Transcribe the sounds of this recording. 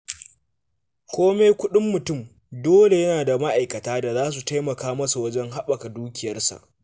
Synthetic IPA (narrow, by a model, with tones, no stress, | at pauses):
kʷoː˦meː˦kʷʊ˦ɗɪ˦mːʊ˨tʊ˦˨m | doː˦le˨jɐ˦naː˨da˨ma˦ʔa˨jkɐ˨taː˦da˨zaː˦s̬u˨ta˦jmɐ˨kaː˦mɐ˦su˨wɐ˦d͡ʒɛ˦ŋɦa˦ɓɐ˨ka˨duː˦kʲɪ˨jɐ˦rsa̰˨ʔ